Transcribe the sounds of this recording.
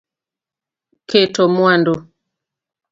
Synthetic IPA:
kɛtɔmwandɔ

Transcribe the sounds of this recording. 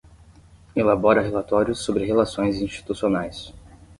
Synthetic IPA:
elabɔɾɐɦelat̪ɔɾjʊsːobɾɪɦelasõj̃zĩʃt͡ʃi̥t̪usionajs

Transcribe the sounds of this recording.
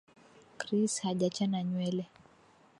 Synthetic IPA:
kɾishaʄat͡ʃanaɲwɛlɛ

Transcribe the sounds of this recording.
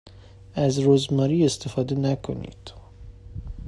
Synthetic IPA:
æzɾozmɒːɾiːest̪ʰefɒːd̪enækʰo̰nḭːd̪̥

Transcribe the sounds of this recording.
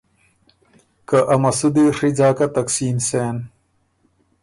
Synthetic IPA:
kaʔɐmɐsud̪eʂid͡ʑaːkat̪ɐksiːnseːn

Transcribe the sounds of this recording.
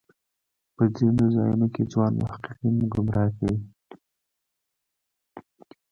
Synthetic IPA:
pəd͡zinozɑ̰junoked͡zwɑnma̰hqiqinɡʊmɾʔɑkawi

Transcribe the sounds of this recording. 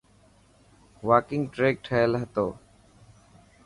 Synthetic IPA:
ʋaːkɪŋɡʈɾeːk̚ʈʰəjəlɦət̪oː

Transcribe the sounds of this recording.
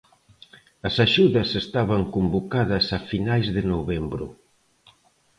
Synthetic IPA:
ɐsaʃuðɐsest̪aβɐŋkombokaðɐsɐfinajzðɪnoβɛmbɾʊ̰

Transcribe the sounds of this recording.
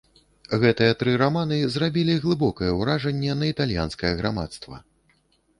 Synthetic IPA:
ɣɛt̪ɨjɐt̪ɾɨɾamanɨzrabʲilʲiɣlˠɨbɔkɐjɛwɾaʐɛnʲːɛnɐit̪alʲja̰nskɐjɛɣɾama̰t̪st̪vɐ̰

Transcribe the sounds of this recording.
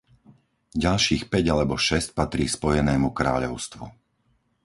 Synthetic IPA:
ɟalʃiːxpɛɟalɛbɔʃɛsc̚pat̪ɾiːspɔjɛnɛːmukɾa̰ːʎɔʊst̪ʋṵ

